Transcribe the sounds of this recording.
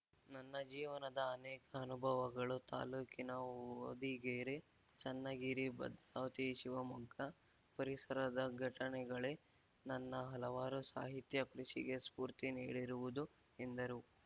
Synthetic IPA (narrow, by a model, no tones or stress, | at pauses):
nɐnːɐd͡ʒiːʋɐnɐd̪ɐːnɛːkɐːnubʱɐʋɐɡɐɭut̪a̰ːluːkinɐo̰d̪iɡeːɾe | t͡ʃɐnːɐɡiɾibɐ̰d̪ɾaːʋɐt̪iʃiʋɐmuɡʱɐ | pɐɾisɐɾɐd̪ɐɡʱɐʈɐɳɛɡɐɭe | nɐnːɐɦɐlɐʋaːɾusa̰ːɦit̪jɐkɾuʃiɡe̞spuːɾt̪inḭːɽiɾuʋud̪u | end̪ɐɾu